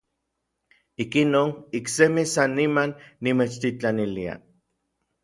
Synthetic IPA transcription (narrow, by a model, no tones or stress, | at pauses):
ikinoːniksemisanːimanːimet͡ʃt̪it͡ɬanilia̰